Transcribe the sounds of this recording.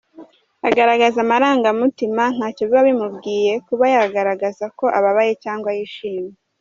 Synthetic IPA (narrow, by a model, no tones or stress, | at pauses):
aɡaɾaɡazamaɾaːŋɡamutiman̥haːcoβiβaβimubɡiːje̞kuβajaɡaɾaɡazako̞ʔaβaβaje̞caːŋɡwajiʃiːme